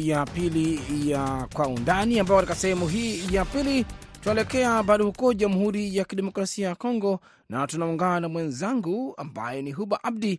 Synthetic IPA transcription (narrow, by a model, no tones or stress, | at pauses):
japilijakwaundaniambapɔkatikasɛhɛmuɦiːjapili | tunaɛlɛkɛaɓaɗɔhukɔʄamuɦuɾijakiɗɛmɔkɾasiajakɔŋɡɔ | natunauŋɡanamwɛnzaŋɡua̰mba̰jɛniɦuɓaʔab̚di